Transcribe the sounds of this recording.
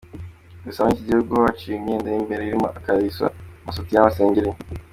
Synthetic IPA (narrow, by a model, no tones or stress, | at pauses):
ɡusaβɲiciɟiuɡowat͡ʃiɲeːndajimbeɾeiɾimo̰akaβisa̰masotijamaseːɲɟeɾiɲ